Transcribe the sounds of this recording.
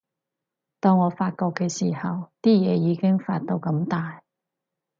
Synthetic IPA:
t̪ɔː˧ŋːɔː˨˧faː˧t̚kɔː˧kːɛː˧siː˨˩hɐ˨wt̪iː˥jɛː˨˧jiː˨˧kɪ˥ŋfa̰ː˧t̚t̪o˧wkɐ˧˥mt̪aː˨j

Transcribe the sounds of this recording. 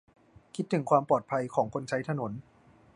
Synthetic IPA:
kʰi˦˥t̪ʰːɯ˨˩˦ŋkʰwaː˧mpɔː˨˩t̪̚pʰa˧jkʰɔː˩˦ŋkʰo˧nt͡ɕʰa˦˥jt̪ʰa˧no˩˦n

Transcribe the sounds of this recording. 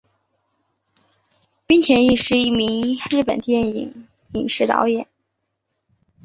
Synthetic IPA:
pi˥ŋt̪ʰjɛ˧˥ni˥˩ʂɻ̩˧˥i˥˩mi˧˥ŋɻ̩˥˩pə̰˨˩nt̪jɛ˥˩nḭ˨˩˦ŋ | i˨˩ŋʂɻ̩˧˥t̪ɑ̰˧˥ʊjɛ˨˩˦n

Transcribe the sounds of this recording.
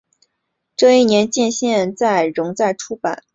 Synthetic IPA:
ʈ͡ʂɤ˥˧i˥˩njɛ˧˥nt͡ɕjɛ˥˧nɕjɛ˥˧nt͡sa˥˩ɪɻʊ˧˥ŋt͡sa˥˩ɪʈ͡ʂʰu˥pa̰˨˩˦n

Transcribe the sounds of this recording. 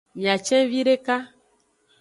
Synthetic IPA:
mĩ˨ã˨t͡ʃɛ̃˦vi˦ɾe˦ka˦

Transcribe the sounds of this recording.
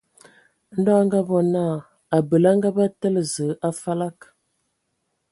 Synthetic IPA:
n̩˦dɔ˦ŋɡa˦vɔ˨na˦˨ | a˨bə˨la˦ŋɡa˦ba˦tə˦lə˨zə˨˦ʔa˦fa˦la˦k

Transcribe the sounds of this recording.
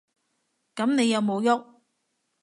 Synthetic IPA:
kɐ˨˥mne˨˧jɐ˨˧wmo˨˧wjo˥k̚

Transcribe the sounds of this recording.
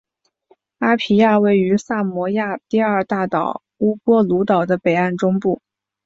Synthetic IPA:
a˥pʰi˧˥ja˥˧we˥˩ɪy˧˥sa˥˩mwɔ˧˥ja˥˧t̪i˥˧ɐ˞˥˧t̪a˥˩t̪ɑ˨˩ʊ | u˥kwɔ˥lu˧˥t̪ɑ˨˩ʊd̪ə˦pe˨˩ɪa˥˩nʈ͡ʂʊ˥ŋpu˥˩

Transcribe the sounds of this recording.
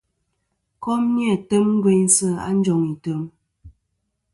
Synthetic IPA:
kɔ˦mnjɛ˦˨tə˦mŋ̩˦ɡwe˦ɲ˦sə˦˨a̰˦n̩˦d͡ʒɔ˨ŋi˨tə˨˦m

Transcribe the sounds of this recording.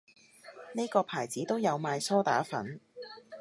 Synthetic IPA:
ne˥jkɔː˧pʰaː˨˩jt͡siː˨˥t̪o˥wjɐ˨˧wmaː˨˧jsɔː˥t̪a̰ː˨˥fɐ̰˨˥n

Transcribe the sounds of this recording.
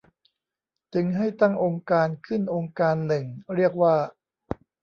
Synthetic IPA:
t̪ɯ˧˦ŋɦa˥˩jt̪a˥˩ŋʔoː˧ŋkaː˧nkʰɯ˥˩nʔoː˧ŋkaː˧nːɯ˨˩ŋɾi˥˩ək̚waː˥˩

